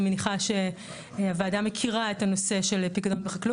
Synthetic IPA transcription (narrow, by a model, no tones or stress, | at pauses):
meniχaʃe | avaːdamːekʰiʁaetano̞se̞ʃelpiɡado̞nbeχaklu